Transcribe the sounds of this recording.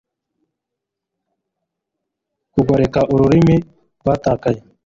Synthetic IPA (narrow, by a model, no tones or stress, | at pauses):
kuɡɐɾekaːʔʊɾuɾimĩ | bat̪aːkaj